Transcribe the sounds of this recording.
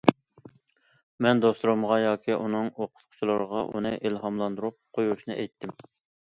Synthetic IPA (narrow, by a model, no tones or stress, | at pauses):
mɛnd̪osˠuɾɨmʁɑjɑːkʲʰiʔunɨŋoqʰʊ̥t̪qʰʊ̥t͡ʃʰilˠɨɾəʁɑʔṵnɨʔilˠɦɑmlˠɑnd̪uɾup̚qʰojuʃnɨʔɛjt̪ʰːɪm